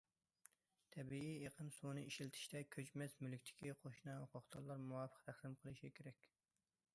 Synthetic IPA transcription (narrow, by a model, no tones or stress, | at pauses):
t̪ʰɛbiijeqʰəmsunɨiʃilt̪ʰɪ̥ʃt̪ɛkʲʰøt͡ʃmɛsmylkʲt̪ʰɪ̥kʲʰiqʰoʃnɑoqʊχd̪ʰɑlˠːɑɾmuwɑfə̥qt̪ʰæχsɪmqʰəlˠɨʃikʲʰeɾɛkʲ